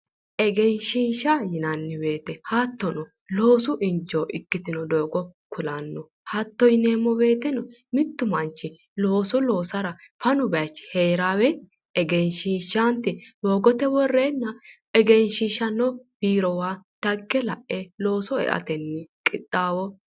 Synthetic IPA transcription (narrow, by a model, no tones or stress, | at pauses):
ʔɛɡɛnʃinʃajɪnɐnːɪbe̞ːt̪ɛhat̪ːɔnɔ | lo̞ːsʊʔɪnd͡ʒɔːʔɪkːɪt̪ɪnɔd̪oːɡɔkʊlɐnːɔ | hɐt̪ːɔjneːmːɔbe̞ːt̪ɛnɔ | mɪt̪ːʊmɐnt͡ʃːɪ | lo̞ːsɔlo̞ːsɐɾɐfɐnʊbɛɐt͡ʃːheːɾaːwɛ | ɛɡɛnʃinʃant̪ɪdoːɡɔt̪ɛwɔrːeːnːɐ | ɛɡɛnʃɪʃɐnːɔb̥iːɾɔwaːd̪̥ɐɡːɛlɐʔɛlo̞ːsɔɛ̰ʔɐ̰t̪ɛnːɪkʼɪt̪ʼːaːwɔ